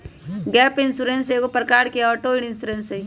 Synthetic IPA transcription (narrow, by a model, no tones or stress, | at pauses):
ɡɛːpɪ̃nsuɾẽnsekopɾəkaːɾkeɔːʈoɪɽ̃ɪ̃nsuɾẽnse